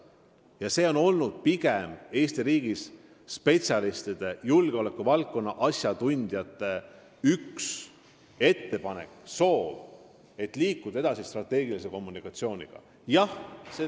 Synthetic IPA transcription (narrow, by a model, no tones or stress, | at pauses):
jɑse̞ːo̞no̞lnud̪̥̚piɡeme̞ːst̪iɾiːɡ̥is | spe̞t̪sʲjɑlist̪id̪̥e̞julɡ̥eole̞kːuvɑlk̚kːo̞nːɑʔɑsjɑt̪unʲd̪̥jɑt̪ːˑe̞ | yks | e̞t̪ːe̞pɑne̞̰kso̞ːv | e̞t̪ːˑliːkːud̪̥ɑe̞d̪ɑsist̪rɑt̪ːˑe̞ːɡ̥iliseko̞mːunikːˑɑt̪sio̞ːnʲiɡ̥ɑ̰ | jɑhse